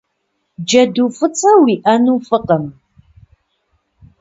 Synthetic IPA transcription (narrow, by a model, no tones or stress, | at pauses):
d͡ʒɐdufɨt͡sʼɐwiʔɐnufəqəm